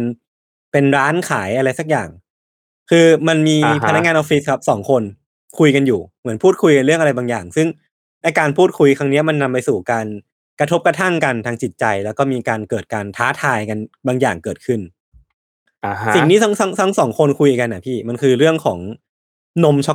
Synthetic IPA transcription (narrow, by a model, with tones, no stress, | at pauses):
n | pe˧nɾaː˦˥nkʰaː˩˦jʔa˧ɾa˧jsa˧˦˩k̚ja̰ː˨˩ŋ | kʰɯː˧ma˧nmiː˧a˧na˦˥ŋaː˧nʔɔ˧˥fi˦˥skʰa˦˥p̚sɔː˩˦ŋkʰo˧n | kʰu˧jka˧njuː˨˩mɯ˩˦ənpʰuː˥˩t̚kʰu˧jka˧nɾɯ˥˩əŋʔa˧ɾa˧jbaː˧ŋjaː˨˩ŋsɯ˥˩ŋ | na˧jkaː˧npʰuː˥˩t̪̚kʰu˧jkʰɾa˦˥ŋni˦˥ɐma˧nːa˧mpa˧jsuː˨˩kaː˧n | kɾa˧t̪ʰo˦˥p̚kɾa˧t̪ʰa˥˩ŋka˧nt̪ʰaː˧ŋt͡ɕi˨˩t̪̚t͡ɕa˧jlɛː˦˥wkɔː˥˩miː˧kaː˧nkɤː˨˩t̪̚kaː˧nt̪ʰaː˦˥t̪ʰaː˧jka˧nbaː˧ŋjaː˨˩ŋkɤː˨˩t̪̚kʰɯ˥˩n | si˨˩ŋniː˥t̪a˦˥ŋsa˦˥ŋsʰa˦ŋsɔː˩˦ŋkʰo˧nkʰu˧jʔi˨˩ka˧nːʔa˨˧˩pʰiː˥˩ma˧nkʰɯː˧ɾɯ˥˩əŋkʰɔː˩˦ŋ | no˦˥mt͡ɕʰɔ˦˥